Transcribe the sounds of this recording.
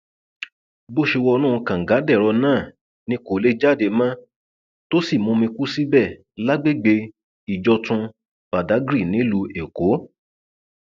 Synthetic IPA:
bo˦ʃe˧wɔ˧nũ˦ũ˧kã˨ŋ̩˨ɡa˨˦dɛ˦˨ɾɔ˧nãː˦˨ | nĩ˧˦ko˨le˦d͡ʒa˦˨de˧mã˦ | to˦si˦˨mũ˧mĩ˧ku˦si˦bɛ˦˨ | la˦ɡ͡be˦˨ɡ͡be˧ | i˨d͡ʒɔ˧tũ˧ | b̥a˨da˨˦ɡɾi˦˨nĩ˨˦lu˧e˨ko˨˦

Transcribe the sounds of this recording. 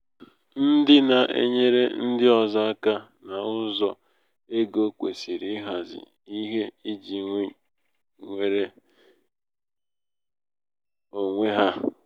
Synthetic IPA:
n̩˦dɪ˦na˨ʔḛ˦ɲe˦ɾe˦n̩˦dɪ˦ɔ˨za˦a˦ka˦na˨ʊ˦zɔ˨ | e˦ɡo˦kʷe˨si˨ɾi˦ɦa˨zɪ̰˨ | i˦ɦe˦i˦d͡ʒi˨ŋʷe˦ | ŋʷe˨ɾe˦ | o˨ŋʷe˦ɦa˦

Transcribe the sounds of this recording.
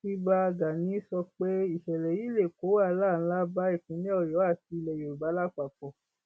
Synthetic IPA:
i˦ba˧ɡa˨nĩ˨˦sɔ˧k͡pe˦i˦˨ʃɛ˨lɛ˨ji˨˦le˦˨ko˨˦wa˦˨˦la˦˨ñ̩˧˦la˦ba˦i˦˨kũ˨˦lɛ̃˦ɔ˦˨jɔ˨˦a˦˨ti˧i˧˨lɛ˨jo˨ɾu˨ba˨˦la˦k͡pa˨k͡pɔ˨˦

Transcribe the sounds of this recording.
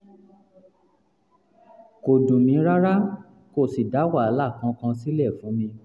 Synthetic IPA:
ko˨dũ˨mĩ˨˦ɾa˦ɾa˦ | ko˦˨si˨da˨˦wa˦˨a˨˦la˦˨kã˧˦kã˧si˦lɛ˦˨fũ˨˦mĩ˧

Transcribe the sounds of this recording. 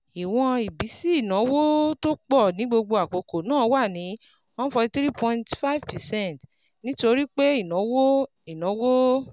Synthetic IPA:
i˨w̃ɔ̃˧i˨bi˨˦si˦i˦˨nã˨˦wo˦to˦k͡pɔ˦˨nĩ˨˦ɡ͡bo˧ɡ͡bo˧a˨k͡po˨˧ko˨nãː˦˨˦wa˦˨nĩ˨˦ | wã˦fɔ˧i˧t̪ɾi˦pʰɔ̃˧ĩntfa˦i˦˨vpɛ˨sɛ̃˦˨t | nĩ˦to˧ɾi˦k͡pe˦i˦˨nɔ̃˨˦wo˦ | i˨nã˨˦wo˦

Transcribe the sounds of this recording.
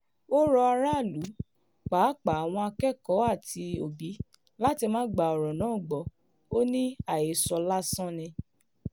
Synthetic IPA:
o˦ɾɔ˧a˧ɾa˦˨lu˨˦ | k͡paː˨˦k͡pa˨a˨w̃ɔ̃˧a˧kɛ˦˨kɔ˨˦a˦˨tʰi˧o˨bi˨˦ | la˦ti˧mãː˦ɡ͡ba˧˨ɔ˨ɾɔ̃˨nãː˨˦˨ɡ͡bɔ˨˦ | o˦nĩ˦a˨je˨sɔ˧la˦sã˦nĩ˧

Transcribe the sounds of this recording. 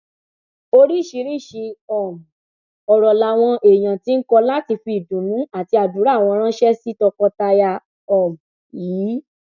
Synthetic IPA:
o˧ɾi˦˨ʃi˧˦ɾi˦˨ʃi˧ɔ˨m˨ | ɔ˨ɾɔ˨la˨w̃ɔ̃˧ʔe˨j̃ã˨ti˦n̩˦kɔ˧la˦ti˧fi˧i˨dũ˨˦nũ˨˦a˦˨ti˧a˨du˨˦ɾa˦˨w̃ɔ̃˧ɾ̃ã˦ʃɛ˦si˦tɔ˧kɔ˧ta˧ja˧ | ɔ˨m | jiː˨˦

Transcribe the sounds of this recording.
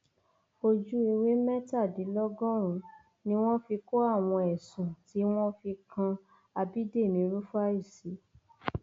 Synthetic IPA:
o˧d͡ʒu˦i˧we˦mɛ˦ta˦˨di˨˦lɔ˦ɡɔ̃˦ɾ̃ũ˨˧ | nĩ˧˦w̃ɔ̃˦fi˧ko˦a˦˨w̃ɔ̃˧ɛ˨sũ˨ti˨˦w̃ɔ̃˦fi˧kʰã˧ | a˧bi˦de˦˨mĩ˨˦˧ɾu˦fa˦i˦˨si˨˦

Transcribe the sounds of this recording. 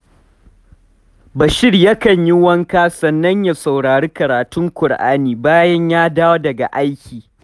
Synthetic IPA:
bɐ˨ʃɪ˦rjɐ˦kɐ˨ɲji˦wɐ˦ŋkaː˦sɐ˨nːɐ˦ɲja˨sa˨wɽaː˨ɾiː˦kɐ˨ɾaː˨tʊ˦ŋkʷʊ˨ɽʔa̰ː˦niː˨baː˦jɐ˦ɲjaː˦daː˦wo˦dɐ˨ɡa̰˨ʔa˦jkʲiː˨

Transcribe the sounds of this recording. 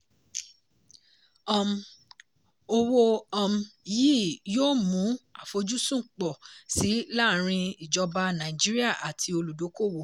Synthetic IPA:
ɔ̃˦˧m˧ | o˧wo˦ɔ̃˧m̩˧jiː˦joː˦mũ˨˦a̰˨fo˧d͡ʒu˦sũ˦˨k͡pɔ˨si˨˦la˦˨ɾ̃ĩ˧i˨d͡ʒɔ˧ba˧nã˨i˨d͡ʒi˦ɾi˦a˦˨ʔa˨tʰi˧o˧lu˨do˨˦ko˦˨wo˨

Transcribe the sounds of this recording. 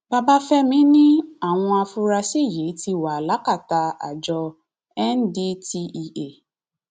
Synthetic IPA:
ba˧ba˦fɛ˦mĩ˨˦nĩ˦a˦˨w̃ɔ̃˧a˧fu˧ɾa˧si˦˨je˨˦ti˧wa˨la˨˦ka˦˨ta˨˧a̰˨d͡ʒɔ˧ | ɛ˦n˦di˦ti˧ʔi˧e˨

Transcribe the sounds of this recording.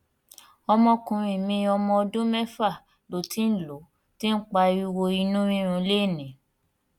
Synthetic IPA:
ɔ˧mɔ̃˧kũ˨ɾ̃ĩ˨mĩ˧ɔ˧mɔ̃˧ɔ˧dũ˦mɛ˦fa˦˨ | lo˨ti˨˦n̩˦˨lo˨˦ | ti˦n̩˦k͡pa˧i˧wo˧i˧nũ˦ɾĩ˦ɾ̃ũ˧le˦˨nĩ˨˦

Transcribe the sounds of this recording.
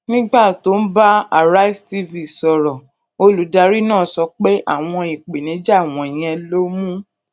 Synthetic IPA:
nĩ˦ɡ͡ba˦˨to˨˦n̩˦ba˦a˦˨ɾa˦i˦sti˦vi˨sɔ˧ɾɔ˨ | o˧lu˨˦da˧ɾi˦nãː˦˨sɔ˧k͡pe˦ʔa̰˦˨w̃ɔ̃˧i˨k͡pe˨nĩ˨˦d͡ʒa˦˨w̃ɔ̃˧i˨j̃ɛ̃˧lo˦mũ˦

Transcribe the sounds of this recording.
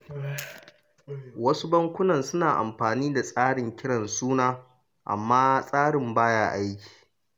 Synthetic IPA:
wɐ˦su˦bɐ˦ŋkʷʊ˦nɐ˨nsʊ˦naː˨ʔa̰˨mɸaː˨niː˦da˨sʼaː˦ɽɪ˨ŋkʲɪ˦ɽɐ˨nsuː˦naː˦ | ʔa̰˨mːaː˦sʼaː˦ɽɪ˨mbaː˦jaː˦ʔa˦jkʲi̥ː˨

